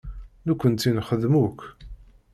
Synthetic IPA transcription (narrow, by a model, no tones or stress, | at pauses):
nukʷːənt̪ːinχəðmuk